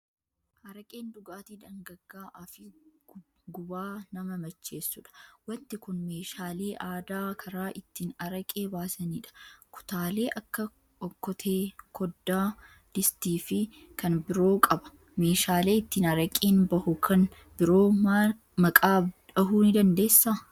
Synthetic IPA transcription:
ʔɐɾɐkʼeːnd̪ʊɡaːt̪iːd̪ɐŋɡɐɡːaːʔɐfɪ | ɡʊbaːnɐmɐmɐt͡ʃːe̞ːsːʊᶑɐ̥wɐnt̪ɪkʊnme̞ːʃaːle̞ːʔaːd̪aːkʰɐɾaːʔɪt̪ːiːnɐɾɐkʼe̞ːbaːsɐniːᶑɐ̥kʊ̥t̪aːle̞ːʔɐkːɐ | ʔɔkːɔt̪ʰeːkʰɔd̪ːaː | d̪̥ɪst̪iːfɪ | kɐnbɪɾo̞ːkʼɐbɐ̥ | me̞ːʃaːle̞ːɪt̪ːiːnɐɾɐkʼiːnbɐhʊkʰɐn | bɪɾo̞ːa | mɐkʼaːᶑɐɦuːnɪd̪ɐnd̪e̞ːsːaː

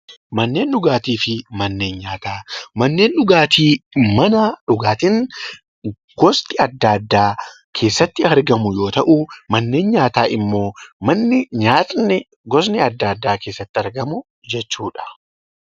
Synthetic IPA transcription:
mɐnːe̞ːnʊɡaːt̪iːfɪmɐnːe̞ːnɲaːt̪aːmɐnːe̞ːnɗʊɡaːt̪ʰiːmɐnɐᶑʊɡaːt̪ɪn | ɡ̥ɔst̪ɪɐd̪ːad̪ːaː | kʰe̞ːsːɐt̪ːɪɐɾɡɐmʊjo̞ːt̪ɐʔumɐnːe̞ːnɲaːt̪aːʔɪmːo̞ːmɐnːɪɲaːt̪ʼnɛ | ɡɔsnɛɐd̪ːaːd̪ːaːkeːsːɐt̪ːɪɐɾɡɐmʊ | d͡ʒɛt͡ʃːuːᶑɐ̥

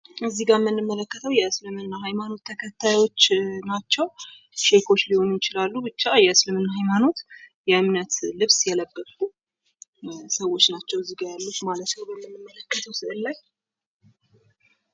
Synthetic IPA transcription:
ɨzːiɡamːɨnːɨmːələkːət̪ʰəwjɛɨslɨmɨnːaɦajmano̞t̪ʰːəkʰət̪ʰːajo̞t͡ʃːnat͡ʃːɛw | ʃe̞kʰo̞t͡ʃːliho̞njɪt͡ʃɪlalːubɨt͡ʃːajɛɨslɨmɨnːahajmano̞t̪jɛʔɨmnət̪lɨβsjɛləbːəfu | səwo̞t͡ʃːnat͡ʃːɛwɨzːiɡajalːəkumalət̪nəwbəmːɨnːɨmːələkːət̪ʰəwsɨʔɨlːaj

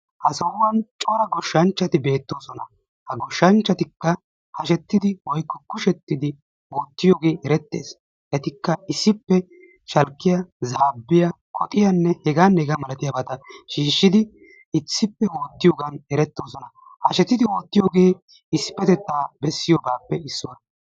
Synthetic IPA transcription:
hɐsɐwwɐnt͡ʃʼoːɾɐɡɔʃːɐnt͡ʃːɐt̪ɪbe̞ːt̪ːo̞ːsɔnɐ̰ | hɐɡɔʃːɐnt͡ʃːɐt̪ɪkːɐ | hɐʃɛt̪ːɪd̪ɪwɔjkːɔkʊʃɛt̪ːɪd̪ɪ | oːt̪ːɪjoːɡe̞ːʔɛɾɛt̪ːe̞̰ːs | ʔɛt̪ɪkːɐɪsːɪpːɛ | ʃɐlkːɪjɐzaːbːɪjɐ | kʰʼɔt̪ʼɪjɐnːɛhɛɡaːnːɛɛɡɐmɐlɐt̪ɪjɐbɐt̪ɐʃiːʃːɪd̪ɪ | ɪt͡sːɪpːɛwo̞ːt̪ːɪjoːɡɐnɛɾɛt̪ːo̞ːsɔnɐ | hɐʃɛt̪ːɪd̪ɪo̞ːt̪ːɪjoːɡe̞ː | ɪsɪ̥pːɛt̪ɛt̪ːaːbɛsːɪjoːbaːpːɛɪsːʊwɐ

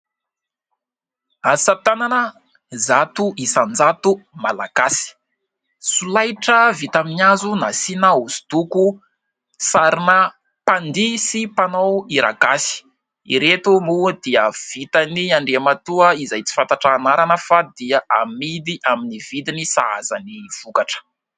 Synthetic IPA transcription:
asat̪ananə | zat̪uʔisand͡zat̪umalaɡ̥asi̥ | sulajʈ͡ʂəvit̪aminiazunasinauz̥d̪̥uku | saɾinə | pand̪isipanowiɾa̰ɡasi̥ | ḭɾet̪umud̪̥iəv̥it̪aniaɳɖ͡ʐeamat̪uəizajt͡si̥fant̪aʈ͡ʂaːnaɾanəfad̪iaʔamid̪iʔaminivid̪inisa̰a̰zaniv̥ukaʈ͡ʂə̥

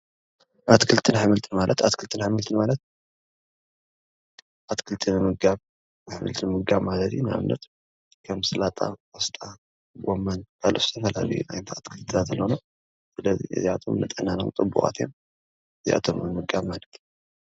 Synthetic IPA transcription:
ʔat̪kʰɨlt̪ʰɨnħɨmɨlt̪ʰɨnmalʔɐt̪at̪kʰɨlt̪ʰɨnħɨmɨlt̪ʰɨnmalɐt̪̚ | ʔat̪kʰɨlt̪ʰɨnɨmɨɡaβ | nɨħɨmɨ̰lt̪ʰɨnɨmɨɡaβmalɐt̪junɨa̰mnɐt̪ | kʰɐmsɨlat̪ʼa̰wɔst̪ʼa | ɡomːɐnbalʔɨst̪ʰɐfɐla̰lijṵna̰jnt̪ʰat̪kʰɨlt̪ʰɨt̪ʰat̪ɨlːono | sɨlɐzḭɨ̰ziat̪ʰo̞̰mnɨt̪ʼɐnano̰mt͡s̪ʼɨbːṵχʼa̰t̪ʰjo̰m | ɨzḭʔa̰t̪ʰomnɨmɨɡaβmalɐt̪

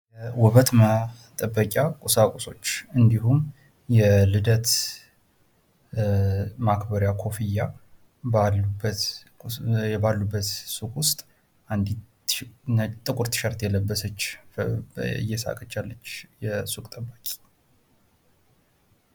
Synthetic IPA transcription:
jɛwɔβət̪mət̪ʼəbːəkʼjakʼusakʼuso̞t͡ʃːɨnd̪iɦum | jɛlɨd̪ət̪ | makbəɾjakʰo̞fijːa | balubət̪ | ɛbalːubːət̪sukʼwʊst̪ʼ | and̪i | t̪ʼɨkʼʊɾt̪ʰɨ̥ʃəɾt̪jɛləbːəsət͡ʃː | ɨ̰jɛsa̰kʼət͡ʃːalːət͡ʃːjɛsukʼt̪ʼəbːakʼi̥

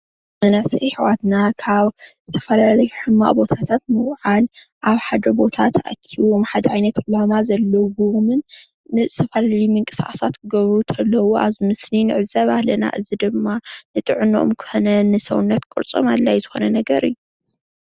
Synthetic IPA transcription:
mɐnasɐjħɨwat̪nakʰaβz̥ɨt̪ʰɐfɐlalɐjuħɨmːa̰ʔbo̞t̪ʰat̪ʰat̪̚mɨwʕal | ʔaβħad̪ɐbo̞t̪ʰat̪ʰʔa̰kʰːiomħad̪ɐʕajnɐt̪ʕɨlamazɐlːɐwumɨnː | ɨzɨ̥t̪ʰɐfɐlaljumɨŋkʼɨsa̰ʔasat̪kʰɨɡɐβɾut̪ʰɐlːɐwuʔa̰zɨmɨsninɨʕɨzɐβahlɐna̰ʔɨzid̪ɨmːanɨt̪ʼɨʕɨnoʔo̰mkʰɨ̥xonɐnɨsɐwunːɐt̪kʼɨɾt͡sʼo̰malːajzɨxo̞nɐnɐɡɐɾʔɨ̰jːu

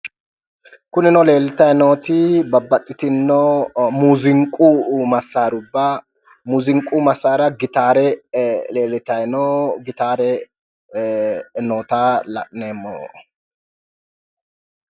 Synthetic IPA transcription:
kʊnɪnɔle̞ːlːɪt̪ɐjnoːt̪ɪbɐbːɐt̪ʼːɪt̪ɪnːɔmuːzɪŋkʼːumɐsːaːɾʊbːɐ | muːzɪŋkʼumɐsːaːɾɐɡɪt̪aːɾɛle̞ːlːɪt̪ɐjnɔɡɪt̪aːɾɛ | noːt̪aːlɐ̰ʔneːmːo̰ː

